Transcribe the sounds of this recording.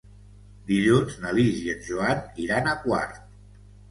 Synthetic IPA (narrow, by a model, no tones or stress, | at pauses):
d̪iʎunznəliziənʒuaniɾanəkwa̰ɾt̪̚